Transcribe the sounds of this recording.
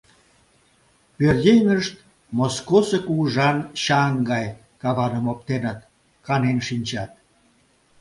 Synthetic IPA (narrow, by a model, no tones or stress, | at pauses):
pʲørdʲejnəʃt̪̚ | moskosekuʒɑnɕɑŋɡɑj | kɑβɑnə̆mop̚t̪enət̪ | kɑnenʃinʲt͡ɕɑt̪̚